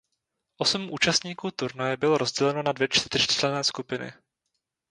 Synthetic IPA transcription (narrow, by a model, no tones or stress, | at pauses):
ʔo̞smʔuːt͡ʃast̪ɲiːkuːt̪uɾnajɛbɪloɾo̞zɟɛlɛnonadvjɛt͡ʃt̪rt̪r̝tlɛnɛːskupɪnɪ̰